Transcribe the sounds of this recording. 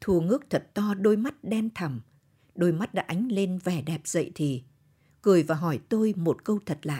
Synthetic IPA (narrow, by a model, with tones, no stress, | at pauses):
t̪ʰu˨˩əŋɨ˦˥ək̚t̪ʰə˨˩t̚t̪ɔ˧ɗo˧jma˦˥t̚ɗɛ˧mt̪ʰə˨˩m | ɗo˧jma˦˥t̚ɗa̰ː˧˥ʔa˨˦jŋ̟le˧nvɛ˧˩ɗɛ˨˩p̚z̥ə̰˧˨jt̪ʰi˨˩ | kɨ˨˩əjvaː˨˩ɦɔ˧˩jt̪o˧jmo˨˩t̚kə˧wt̪ʰə˨˩t̚la̰ː˧˨ʔ